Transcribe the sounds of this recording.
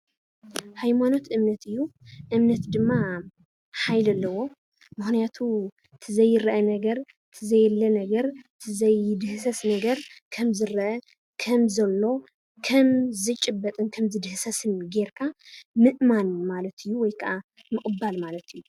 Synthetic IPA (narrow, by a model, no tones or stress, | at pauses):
hajmano̞t̪ʔɨmnɐt̪ɨjːuʔɨmnɐt̪d̪ɨmːa | ħajlɐlːɐwo̞ | mɨxnijat̪ʰu | t̪ʰɨzɐjːɪɾɐʔɐnɐɡɐɾ | t̪ʰɨzɐjlːɐnɐɡɐɾt̪ʰɨzɐjd̪ɨhsɐsnɐɡɐɾkʰɐmzɨɾɐʔɐ | kʰɐmzɐlːo̞ | kʰɐmzɨt͡ʃʼɨbːɐt̪ʼɨnkʰɐmzɨd̪ɨhsɐsɨnɡe̞ɾkʰamɨʔmanmalɐt̪ʰɨjːuwɔjkʰɐʔa | mɨkʼɨbːalmalɐt̪ɨjːu